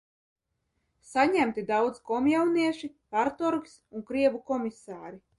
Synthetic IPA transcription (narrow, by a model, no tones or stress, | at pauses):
saɲæmt̪id̪awd̪zkɔmjawniɛʃi | paɾt̪ɔɾksuŋkɾiɛvukɔmisaːɾi